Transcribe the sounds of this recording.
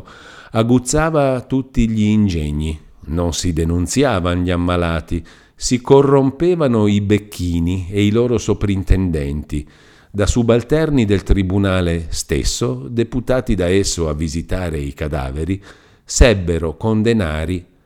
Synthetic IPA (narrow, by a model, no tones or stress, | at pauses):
aɡut̪sːaːvat̪ut̪ːiʎiːnd͡ʒɛɲːi | nonsid̪enunt̪sjaːvanʎiamːalaːt̪i | sikorːompɛːvanoibekʰːiːnieilɔːɾosopɾint̪ɛnd̪ɛnt̪i | d̪asubalt̪ɛrnid̪elt̪ɾibunaːlest̪ḛsːod̪eput̪aːt̪id̪aɛsːoavːizit̪aːɾeikad̪a̰ːveɾi | sɛbːeɾokond̪ena̰ːɾi